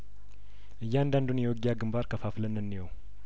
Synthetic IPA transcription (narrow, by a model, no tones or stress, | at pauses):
ʔɨjːɪand̪and̪unjɛwɔɡjaɡɨmbaɾkʰəfaflənːɨnːiwow